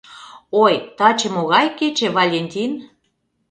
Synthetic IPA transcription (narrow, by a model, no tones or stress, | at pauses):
ojt̪ɑt͡ɕĕmoɣɑjket͡ɕĕβɑlʲenʲt̪ʲin